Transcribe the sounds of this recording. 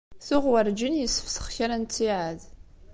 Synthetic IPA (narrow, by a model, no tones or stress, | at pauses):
θʊʁwəɾd͡ʒənjəsə̥fsə̥χçaɾant͡sːiʕað